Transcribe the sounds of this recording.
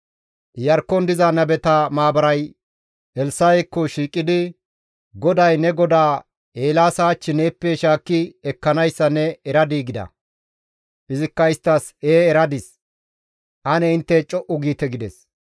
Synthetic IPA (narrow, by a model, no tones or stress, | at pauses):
jɐɾkːɔnd̪ɪzɐnɐbɛt̪ɐmaːbɐɾɐj | ɛlsajɛkːɔʃiːkʼːɪd̪ɪ | ɡɔd̪ɐjnɛɡɔd̪aː | eːlaːsaːt͡ʃːɪne̞ːpːɛʃaːkːɪɛkːɐnɐjsːɐnːɛɛɾɐd̪iːɡɪd̪ɐ̰ | ʔɪzɪkːɐɪst̪ːɐseːɛɾɐd̪ɪs | ʔɐnɛɪnt̪ːɛt͡ʃʼɔʔʊɡiːt̪ɛɡɪd̪ɛs